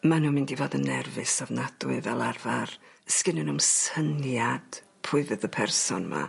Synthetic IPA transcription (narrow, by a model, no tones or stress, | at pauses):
manuːmɨndivodənːɛrvɨsavnad̥wɨvɛlˠarvarskɨnənumsənjad̥ | pʰʊɨðɨðəpʰɛrsɔnma̰